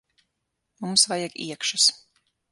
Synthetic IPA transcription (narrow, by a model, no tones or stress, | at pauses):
mumsvajaɡḭɛkʃus